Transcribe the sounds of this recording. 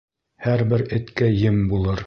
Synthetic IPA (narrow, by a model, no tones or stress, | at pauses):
hæɾbɘɾɘ̆t̪kæjɘmbulˠɤɾ